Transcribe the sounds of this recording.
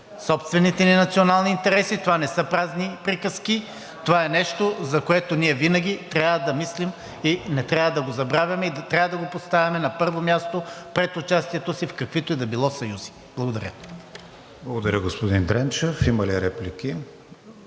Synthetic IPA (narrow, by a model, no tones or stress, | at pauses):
sɔpst̪vɛnit̪ɛninɐt̪sionalˠniːnt̪ɛɾɛsit̪ovanɛsɤpɾaznipɾikəsk̟i | t̪ovaɛnɛʃt̪ozɐkoɛt̪oniɛvinɐɡʲit̪ɾʲavəd̪ɐmislim | inɛt̪ɾʲavəd̪ɐɡozɐbɾavʲjɐmɛid̪ɐt̪ɾʲavəd̪ɐɡopost̪avʲɐmɛnɐpɤɾvomʲjast̪opɾɛt̪ʊt͡ʃast̪iɛt̪osifkɐkvit̪oɛd̪ɐbilˠɔsɐjuzi̥ | b̥lˠɐɡod̪ɐɾʲə̰ | blˠɐɡod̪ɐɾʲəɡospod̪ind̪ɾɛnt͡ʃəfimɐliɾɛplikʲi